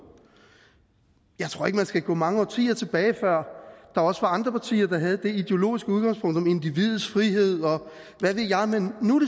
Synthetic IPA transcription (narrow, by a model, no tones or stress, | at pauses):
jɑ̈ɪt͡sʰʁo̝ɐ̰e̝ɡ̥mænsɡ̥æɡ̥ɔ̰̽ːmɑ̈ŋəɒ̰t͡sʰḭːɐt͡sʰe̝b̥ɛːɪfɶɐ̰d̥ɑ̈ɒ̽səʋɑ̈ɑ̈nd̥ʁɐpʰɑ̈t͡sʰḭːɐd̥ɑ̈ɦæð̞̩ˠd̥e̝id̥e̝o̝lo̝̰ːisɡ̥əuð̞ˠɡ̥ɑ̈ŋspʰɔ̽ŋ̰d̥ɒ̽me̝nd̥iʋið̞̩ˠsfʁiɦe̝ð̞̰ˠɒ̽ | ʋæʋe̝ðˠjɑ̈ɪmenːuɾe